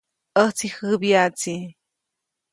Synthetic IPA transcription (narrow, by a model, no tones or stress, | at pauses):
ət͡sixɨbjat͡si